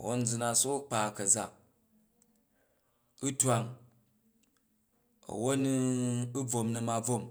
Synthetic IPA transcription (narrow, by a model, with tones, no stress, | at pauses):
wo˦n̩˦d͡zu˧na˧so˦k͡pa˨kɐ˨d͡za̰˨ | u˦twa˦˨ŋ | ɐ̰˨wo˦ni˦u˦b͡vo˧mnɐ˧ma˧b͡vo˦˨m